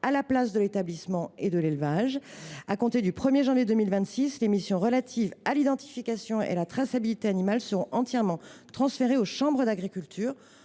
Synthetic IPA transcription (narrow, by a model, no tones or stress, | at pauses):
alaplasd̪əlet̪ablismɑ̃ed̪əlelvaʒakɔ̃t̪ed̪ypχəmjeʒɑ̃vjed̪əmilvɛ̃t̪sislemisjɔ̃ʁəlat̪ʰivalid̪ɑ̃t̪i̥fikʲasjɔ̃ḛalat̪χasabilit̪eanimalsəʁɔ̃ʔɑ̃t̪jɛʁmɑ̃t̪χɑ̃sfeʁeoʃɑ̃bʁəd̪aɡʁikʲylt̪ʰyːʁ